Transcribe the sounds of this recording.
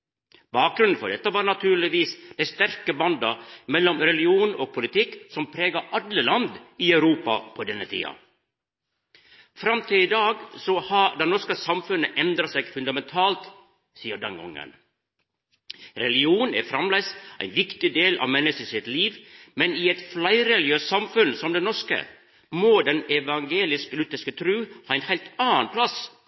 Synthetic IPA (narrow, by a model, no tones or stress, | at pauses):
bɑːk̚ɡɾʉnn̩fɔɖɛt̪ːəʋɑːɾnɑt̪ʰʉːɭɪʋiːsd̪̥æɪst̪æɾkəbɑnd̪ɑmɛlːɔmɾɛlɪuːnoːɡ̚pʰʊlɪt̪ʰɪkːsɔmpʰɾeːɡɑʔɑlːəlɑnd̪iœʉɾuːpɑpʰɔd̪ɛnːət̪ʰḭːɑ̰ | fɾɑmt̪ʰɪlɪd̪ɑːɡsɔhɑd̪ɛnɔʂkəsɑmfʉnːəʔɛnd̪ɾɑsɛɡfʉnd̪ɑmɛnt̪ʰɑːlt̪ | siːəd̪ɑŋʊ̰ŋːə̰n | ɾɛlɪuːnæ̰ːfɾɑmlæɪsʔæ̰ɪnʋɪkt̪ɪd̪eːlɑ̰ʋmɛnəsəsɪt̪liːʋmɛniːɛt̪flæɪɾɛlɪøːssɑmfʉnsɔmd̪ɛnnɔʂkə̰ | moːd̪ɛnɛʋɑŋɡeːlɪsklʉt̪ːəʂkət̪ʰɾʉːhɑːɛɪnhæɪlt̪ɑːənpʰlɑs